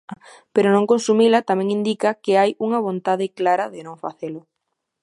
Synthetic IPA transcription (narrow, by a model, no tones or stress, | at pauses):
peɾʊnõŋkonsumilɐt̪amɛ̃ŋind̪ikɐkɪajuŋɐβ̞ont̪aðɪklaɾɐðɪnõŋfaθelʊ